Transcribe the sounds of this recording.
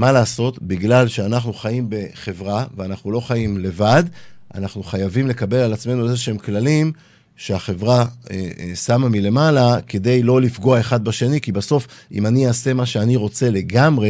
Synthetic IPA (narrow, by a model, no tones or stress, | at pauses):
malaːso̞tbiɡlalʃe̞anaχnuχajimbe̞χe̞vʁaveanaχnulo̞χajimle̞vad̪ʔa̰naχnuχajavimle̞kabe̞lalat͡sme̞nuezeʃeemklalim | ʃeaχe̞vʁaesamamile̞malake̞de̞jlo̞lifɡo̞ae̞χad̪̚baʃe̞nikibaso̞fḭmanijaːse̞maʃeaniʁo̞t͡se̞le̞ɡamʁe̞